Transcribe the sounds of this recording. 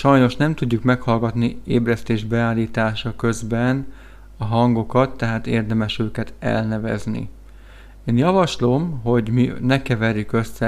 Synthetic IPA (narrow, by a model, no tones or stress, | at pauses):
ʃɒjno̞ʃnɛmt̪uɟːukmɛkhɒlɡɒt̪nieːbrɛst̪eːʒbɛaːlːiːt̪aːʃɒkøzbɛn | ɒɦɒŋɡo̞kɒt̪ːɛɦaːt̪eːrd̪ɛmɛʃøːkɛt̪ɛ̰lnɛvɛ̰znḭ | eːnjɒvɒʃlomɦo̞ɟminɛkɛvɛɾjykø̞sːɛ